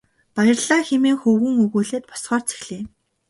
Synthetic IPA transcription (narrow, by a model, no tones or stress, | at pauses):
pajɪ̆rɮaːxemeːŋxɵwɘ̆ŋɵɣuːɮeːt̪̚pɔ̥sχɔːrt͡sʰe̥xɮiː